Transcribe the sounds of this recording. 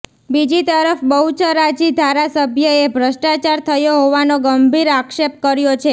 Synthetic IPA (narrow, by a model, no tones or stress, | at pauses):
bid͡ʒit̪əɾəfbəɦut͡ʃʰəɾad͡ʒid̪ʱaɾasəbʱjəebʱɾəʃʈat͡ʃaɾt̪ʰəjoɦoʋanoɡəmbʱiɾakʃep̚kəɾjot͡ʃʰe